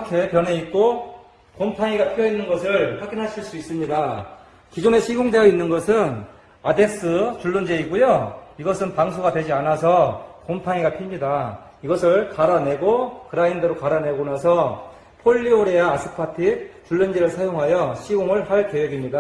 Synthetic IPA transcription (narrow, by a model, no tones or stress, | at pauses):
kʰe̞pjʌne̞ik̚k͈o | kompʰaŋiɡapʰijʌinːɯnɡʌsʰɯɭɸwaɡinɦaɕʰiɭs͈uis͈ɯmɲida | kid͡ʑone̞ɕʰiɡoŋde̞jʌinːɯnɡʌsʰɯn | ade̞k̚s͈ɯt͡ɕuɭːɯnd͡ʑeiɡujoiɡʌsʰɯnpaŋs̬ʰoɡadwe̞d͡ʑianasʰʌkompʰaŋiɡapʰimɲida | iɡʌsʰɯɭkaɾane̞ɡokɯɾaindɯɾokaɾane̞ɡonasʰʌ | pʰoʎːioɾejaːsʰɯpʰatʰit͡ɕuɭːɯnd͡ʑeɾɯɭsʰajoŋɦajʌɕʰiɡoŋɯɭhaɭke̞weɡimɲida